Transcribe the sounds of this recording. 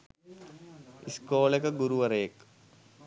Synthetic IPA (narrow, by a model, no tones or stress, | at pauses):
iskoːlekɐɡuɾuʋɐɾeːk